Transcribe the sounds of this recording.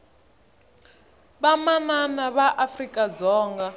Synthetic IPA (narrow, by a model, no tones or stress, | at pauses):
ɓamananaβaʔafrikʼad͡zɔːŋɡa